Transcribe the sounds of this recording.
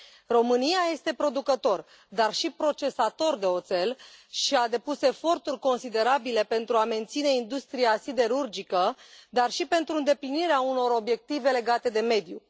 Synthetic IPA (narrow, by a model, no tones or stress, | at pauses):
ro̞mɨnijaje̞st̪e̞pɾo̞d̪ukət̪o̞r | d̪arʃipɾo̞t͡ʃe̞sat̪o̞rd̪e̞o̞t̪se̞lʃiad̪e̞puse̞fo̞rt̪urʲko̞nsid̪e̞ɾabile̞pe̞nt̪ɾuame̞nt̪sine̞ind̪ust̪ɾiasid̪e̞ɾurd͡ʒikəd̪arʃipe̞nt̪ɾuɨnd̪e̞pliniɾeauno̞ɾo̞bje̞k̚t̪ive̞le̞ɡat̪e̞d̪e̞me̞d̪ju